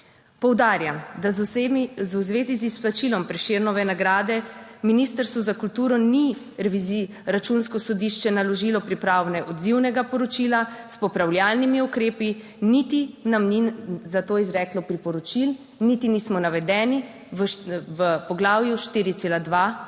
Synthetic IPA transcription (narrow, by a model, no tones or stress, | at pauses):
pɔwd̪aːɾjamd̪a | zuwzʋeːzizisplat͡ʃilɔmpɾɛʃeɾnɔʋɛnaɡɾaːd̪ɛminiːst̪əɾst̪ʋuzakult̪uːɾɔni | ɾɛʋizi | ɾat͡ʃunskɔsɔd̪iʃt͡ʃɛnalɔʒilɔpɾipɾaːwnɛʔɔd̪ziwnɛɡapɔɾɔt͡ʃilaspɔpɾawljalnimiukɾeːpi | nit̪inamnizat̪oːizɾɛːklɔpɾipɔɾɔt͡ʃil | nit̪inismɔnaʋɛd̪ɛːni | ʋəpɔɡlaːwjuʃt̪iːɾit̪eːlad̪ʋa